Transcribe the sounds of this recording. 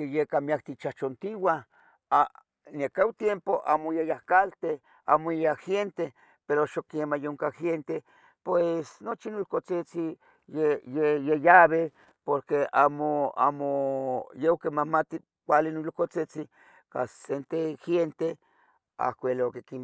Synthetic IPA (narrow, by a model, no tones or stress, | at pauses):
kejekamiak̚t̪it͡ʃat͡ʃont̪iwa | a | nekawt̪jempoʔa̰mojejahkalt̪e | a̰moaxent̪e | peɾoʃokemajoŋkaxent̪e | pwesnot͡ʃinulokot͡set͡si | jejejejaβe | poɾkea̰moa̰mojeokemamat̪i | kʷalinulkot͡set͡si | ka̰ssent̪exjent̪e | a̰kʷelokekim